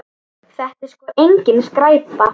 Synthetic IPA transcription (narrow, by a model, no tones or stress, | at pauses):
θɛht̪ɪ̥skɔːʔejɲcɪnskɾaːjpa